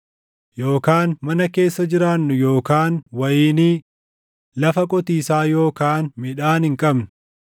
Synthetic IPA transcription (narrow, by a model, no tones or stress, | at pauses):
jo̞ːkaːnmɐnɐke̞ːsːɐd͡ʒɪɾaːnːʊjo̞ːkaːnwɐjiːniː | lɐfɐkʼɔt̪iːsaːjo̞ːkaːnmɪᶑaːnhɪŋkʼɐbnʊ̥